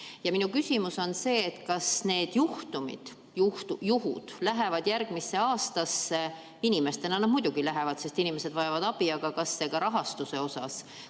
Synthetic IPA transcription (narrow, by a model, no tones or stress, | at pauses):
jɑminukysʲimuso̞nse̞ːt̪ːkɑsne̞ːd̪̥juht̪umḭd̪̥ | ht̪ujuɦṵd̪̥læɦe̞vɑd̪̥jærɡ̥misːe̞ɑːst̪ɑsːe̞ | inʲime̞st̪e̞nɑnɑmud̥̪uɡ̥ilæɦevɑd̪se̞st̪inime̞sed̪vɑjɑvɑd̪̥ɑb̥iɑɡ̥ɑkɑsːe̞ɡ̥ɑɾɑɦɑst̪use̞o̞sɑs